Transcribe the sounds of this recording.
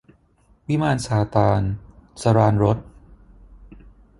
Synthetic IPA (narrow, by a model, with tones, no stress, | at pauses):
wi˦˥maː˧nsaː˩˦t̪aː˧nsa˧ɾaː˧nɾo˦˥t̪̚